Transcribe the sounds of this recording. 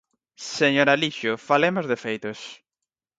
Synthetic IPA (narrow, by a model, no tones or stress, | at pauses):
seɲoɾaliʃʊfalemozðefejt̪ʊs